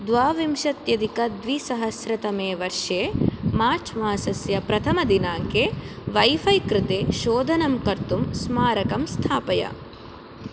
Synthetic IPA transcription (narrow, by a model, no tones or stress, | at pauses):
d̪ʋaːʋimʃɐt̪jɐd̪ikɐd̪ʋisɐɦɐsɾɐt̪ɐmeːʋɐɾʂeːmaːɾt͡ʃʰmaːsɐsjɐpɾɐt̪ʰɐmɐd̪inaːŋkeːʋɐjfɐjkɾɪt̪eːʃoːd̪ʱɐnɐmkɐɾt̪umsmaːɾɐkɐmst̪ʰaːpɐjɐ̰